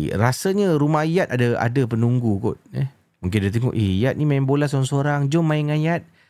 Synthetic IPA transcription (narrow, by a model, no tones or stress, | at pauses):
ɾasaɲaɾumahijat̪̚adaa̰dapənuŋɡukʊ̰t̪̚ɛ | muŋk̬ɪnadat̪əŋɔ̰ʔeijat̪̚nimaɪŋbolasoɾaŋsoɾaŋd͡ʒɔmːaɪŋajat̪̚